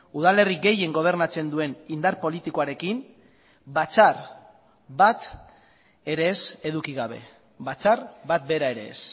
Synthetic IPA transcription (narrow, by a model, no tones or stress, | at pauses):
uð̞ale̞riɡe̞je̞ŋɡo̞β̞e̞ɾnat͡se̞nd̪ue̞nind̪aɾpo̞lit̪ikoaɾe̞kin | bat͡sar | bat̪ | e̞ɾe̞ːse̞ðukiɣaβ̞e̞ | bat͡saɾbat̪̚be̞ɾae̞ɾe̞̰ːs